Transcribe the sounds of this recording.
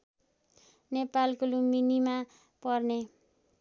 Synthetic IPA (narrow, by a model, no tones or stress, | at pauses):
nepalkoluminima | pʌrne